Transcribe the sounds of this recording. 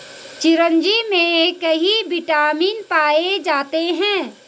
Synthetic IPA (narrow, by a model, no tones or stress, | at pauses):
t͡ʃɪɾə̃nd͡ʒimẽkɐɦiʋɪʈaːmiːnpaːed͡ʒaːt̪eɦɛ̃ː